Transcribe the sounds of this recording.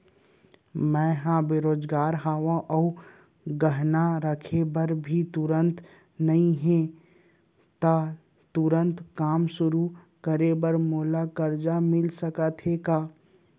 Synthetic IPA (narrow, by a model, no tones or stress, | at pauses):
mɛ̃ːɦãbɪɾoːd͡ʒɡaːɾɦaːʋãʔɔː | ɡəɦnaɾəkʰebəɾbʱit̪ʊɾə̃nt̪ | nɐɦĩɦẽ | t̪a | t̪ʊɾə̃nt̪kaːmsʊɾu | kəɾebəɾmoːlakəɾd͡ʒamɪlsəkət̪ʰeːkaː